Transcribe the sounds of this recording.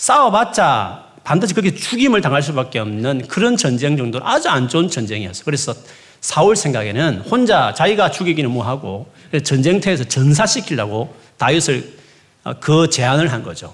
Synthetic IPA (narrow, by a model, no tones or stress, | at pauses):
s͈awʌmat͡ɕ͈a | pandɯɕʰikɯɾʌkʰet͡ɕuɡimɯɭtaŋɦaɭs̬͈ubak͈e̞ʌmnɯnkɯɾʌnt͡ɕʌnd͡ʑe̞ŋd͡ʑʌŋdoad͡ʑuand͡ʑont͡ɕʌnd͡ʑe̞ŋijʌs͈ʌ̥kɯɾe̞sʰʌ | sʰauɭsʰeŋɡaɡenɯnhond͡ʑat͡ɕaiɡat͡ɕuɡiɡinɯnmoʌɦaɡo | ɯndet͡ɕʌnd͡ʑeŋtʰeːs̬ʰʌt͡ɕʌns̬ʰaɕʰikʰiɭaɡo | tajusʰɯɭ̰ | kɯt͡ɕe̞anɯɭɦanɡʌ̰d͡ʑo̰